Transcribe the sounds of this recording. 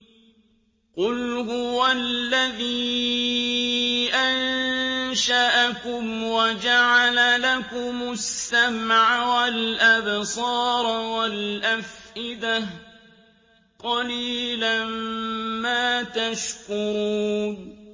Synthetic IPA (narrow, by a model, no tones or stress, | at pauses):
qʊlhʊwalːaðiː | ʔan | ʃaʔakʊmwad͡ʒaʕalalakʊmʊsːamʕawalʔabsˤɑːɾˤwalʔafʔɪd̪ah | qɑliːlammaːt̪aʃkʊɾuːn